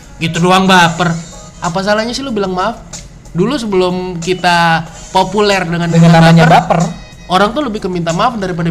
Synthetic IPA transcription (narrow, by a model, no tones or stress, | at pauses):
ɡit̪udoaŋbapər | ʔapas̬alaɲasilʊbilaŋmaf | dulus̬əbəlʊmkit̪a | populɛrdəŋandŋaaabaaɲaərbapər | ʔoɾaŋt̪ʊləbɪhkəmint̪amaafdaɾip̬ada